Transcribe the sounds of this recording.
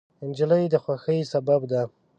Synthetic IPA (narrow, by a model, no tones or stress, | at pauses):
ɪnd͡ʒələjd̪əxwaxəjsababd̪a